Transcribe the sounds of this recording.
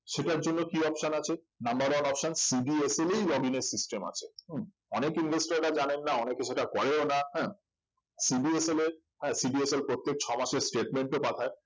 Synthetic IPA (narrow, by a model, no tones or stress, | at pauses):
ʃeʈaɾd͡ʑonːokiɔpʃanat͡ɕʰe | nambaɾwanɔpʃansibieselejɡɔbineɾsisʈema̰t͡ɕʰe̥ | ɔnekinɡesʈɾaɾad͡ʑanenːaɔnekeʃeʈakɔɾeonahɛ̃ː | sibieseleɾ | ɦɛ̃siɖieselpɾot̪ːek̚t͡ɕʰɔmaʃeɾsʈeʈmeɳʈopat̪ʰae